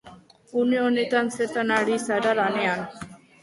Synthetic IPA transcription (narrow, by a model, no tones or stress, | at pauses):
unijonit̪anset̪anaɽisaɖaɾanean